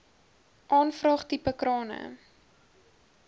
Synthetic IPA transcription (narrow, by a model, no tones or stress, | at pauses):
ʔɑːnfrɑːχtipəkrɑːnə̰